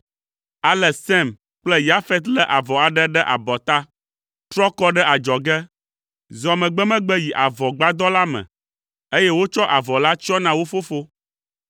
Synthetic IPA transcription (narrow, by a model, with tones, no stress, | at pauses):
a˨lɛ˨sɛ˦˨m | k͡plɛ˦ja˦fɛ˦t̪lɛ˦ʔa˨vɔ˨a˨ɖɛ˦ɖɛ˦ʔa̰˨bɔ˨t̪a˦ | t̪ɾɔ˦kɔ˦ɖɛ˦ʔa˨d͡ʒɔ˨ɡɛ˦ | zɔ˨mɛ̃˨ɡ͡bɛ˦mɛ̃˦ɡ͡bɛ˦ji˨ʔa˨vɔ˨ɡ͡ba˦d̪ɔ˦la˦mɛ̰̃˨ | e˦jɛ˦wo˦t͡ʃɔ˦ʔa˨vɔ˨la˦t͡ʃɔ˦nã˨wo˦fo˦fo˦